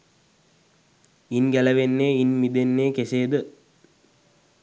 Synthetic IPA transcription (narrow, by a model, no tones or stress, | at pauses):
inɡæləʋenːeːinmid̪enːeːkeseːd̪ə